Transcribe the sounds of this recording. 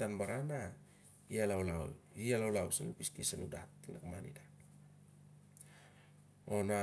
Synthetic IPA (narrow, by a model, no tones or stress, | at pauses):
tanbaɾana | ialawlaṵlialawlaulsanupiskisanuda̰t̪ːinakmanḭda | ona